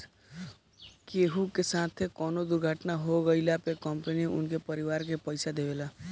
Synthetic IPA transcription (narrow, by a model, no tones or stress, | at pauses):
keːɦukesaːt̪ʰekɔːnod̪ʊɾɡʱaːʈnaɦoɡəɪlapekəmpəniʊ̰nkepəɾiʋaːɾkepəɪsad̪eʋelaː